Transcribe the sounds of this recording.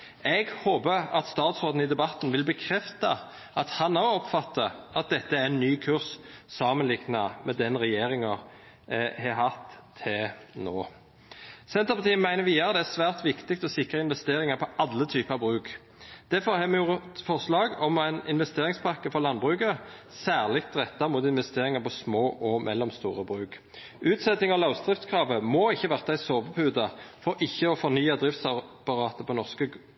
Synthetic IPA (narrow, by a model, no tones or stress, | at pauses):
ɛɡhoːbəɑ̰t̪st̪ɑːt̪sʁoːd̪n̩ɪd̪ɛbɑt̪ːn̩ʋɪlbəkʰɾɛft̪ɑ | ɑt̪hɑnoɔpfɑt̪ːɑʔɑt̪̚d̪ɛt̪ːəæɾɛnːyːkʰʉʁssɑːmənlɪɡnɑmɛd̪ɛnʁɛjeːɾɪŋɑ | hɛɦhɑt̪ʰːɪlno̰ː | sɛnt̪ʁəpɑt̪ʰiːənmæɪnəʋiːɑʁəd̪ɛæsʋæːʁt̪ʋɪkt̪ɪk̚t̪ɔsɪkɾəɪnʋɛst̪eːɾɪŋɑpʰɔʔɑlːət̪ʰyːpəɑːbʁʉːk | d̪̥æfɔʁhɛmjʊʁfɔʁslɑːɡɔmæɪnɪ̰nʋɛst̪eːʁɪŋspʰɑʁkəfɔʁlɑnːbʁʉːkəsæːʁlɪkt̪ʁɛt̪ːɑmʊːt̪ɪnʋɛst̪eːʁɪŋɑpɔsmoːʔɔmʔɛ̰lːɔmst̪ṵːʁəbʁʉːk | ʔʉːt̪sɛt̪nɪŋɔlɑʊst̪ʁɪft̪skʰʁɑːʋəmɔɪçːəʋæʁt̪æɪsoːʋəpʰʉːd̪ɑfɔɾʔɪçːəɔfɔʁnyːɑd̪ʁɪft̪sɑpɑʁɑːt̪əpʰɔnɔʁskə